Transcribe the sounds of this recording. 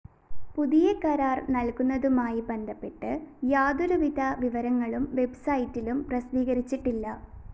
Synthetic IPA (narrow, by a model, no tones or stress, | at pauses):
puðijekɐɾaːrnɐlkunːɐðumaːjibe̞nd̪ʱɐpːe̞ʈːɨjaːd̪uɾuʋid̪ʱɐʋiʋɐɾɐŋːɐɭumʋe̞bsɐjitːilumprɐsʋiːɣɐɾit͡ɕːiʈːilːɐ